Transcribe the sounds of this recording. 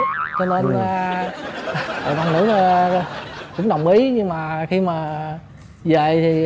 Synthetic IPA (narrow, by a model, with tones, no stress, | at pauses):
t͡ɕɔ˧ne˧n˧ | əː˨˩ɗa˧ŋnɨ̰˧˥˦ | kʊ̰˧˥ŋ͡mɗə˨˩wŋ͡mʔi˨˦ɲɨ˧ŋmaː˨˩xi˧maː˨˩ | zə̰˧˨jt̪ʰi˨˩